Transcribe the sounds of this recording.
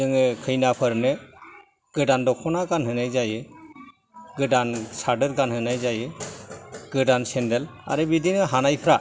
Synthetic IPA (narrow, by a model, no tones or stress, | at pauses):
ɯŋɯkʰɯjnapʰəɾnɯ | ɡ̥ɯdandɔkʰɔnaɡanɦɯnajd͡ʒajɯ | ɡɯdansaɖɯɾɡanɦɯnajzajɯ | ɡ̥ɯdansɛndɛla̰ɾɛbid̪inɯɦanajpʰɾa